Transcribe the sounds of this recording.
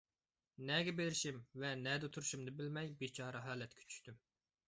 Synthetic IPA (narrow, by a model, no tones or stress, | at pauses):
nɛɡʲɛbelɪɾɪʃimvɛnɛd̪ɪt̪ʰuɾuʃumd̪ɨbɪlmɛjbet͡ʃʰɑːɾɑɦɑːlɛt̪kʲʰɛ̥t͡ʃʰy̥ʃt̪ym